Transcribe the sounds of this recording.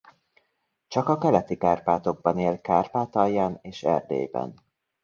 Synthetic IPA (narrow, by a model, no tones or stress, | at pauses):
t͡ʃɒkɒkɛlɛt̪ikaːrpaːt̪o̞ɡ̚bɒneːlkaːrpaːt̪ɒjːaːneːʃɛ̰rd̪ḛːjbɛ̰n